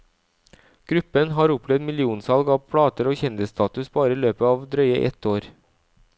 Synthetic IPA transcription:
ɡ̥ɾʉpənɦɑːɾʊpʰlɛd̪mɪlɪuːnsɑlɡɑːʋpʰɽɑːt̪əɾoːçɛnd̪ɪst̪ʰɑːt̪ʉsbɑːɾəiːløːpəɑːʋd̪ɾœʏə̰ʔɛ̰t̪oːɾ

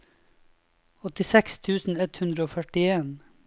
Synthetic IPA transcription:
ɔt̪ɪsɛkst̪ʰʉːsn̩ɛt̪hʉnd̪ɾəoːfœʈɪeːn

